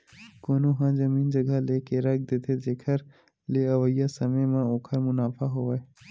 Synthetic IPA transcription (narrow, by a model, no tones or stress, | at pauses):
koːnoɦãːzəmiːnd͡ʒɐɡəleːkeɾɐk̚ʰd̪eːt̪ʰed͡ʒeːkʰəɾ | leəʋəijasəməjmãoːkʰəɾmʊnaːfaɦoʋaːe